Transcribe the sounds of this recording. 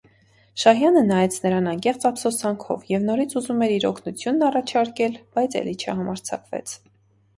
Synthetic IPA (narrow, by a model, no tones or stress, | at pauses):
ʃɑɦjɑnənɑjɛt͡sʰnəɾɑnɑŋkɛχt͡sɑpsɔsɑŋkʰɔ̰vjɛvn̪ɔɾit͡sʰuzumɛɾiɾɔkʰnut͡sʰjunːɑrɑt͡ʃʰɑɾkɛlb̥ɑjt͡sʰɛ̰lit͡ʃʰə̰ɦɑmɑɾt͡sʰɑ̰kvɛ̰t͡sʰ